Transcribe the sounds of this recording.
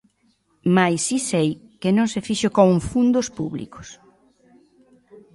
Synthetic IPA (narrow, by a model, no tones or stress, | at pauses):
majsisejkenõŋsefiʃʊkoŋfund̪ʊspuβlḭkʊ̥s